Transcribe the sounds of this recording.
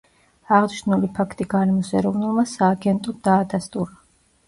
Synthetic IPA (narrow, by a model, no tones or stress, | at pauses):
aʁniʃnulipʰakʰt̪ʼiɡaɾɛmɔsɛ̰ɾɔvnulˠmasaːɡɛnt̪ʼɔd̪aːd̪ast̪ʼuɾa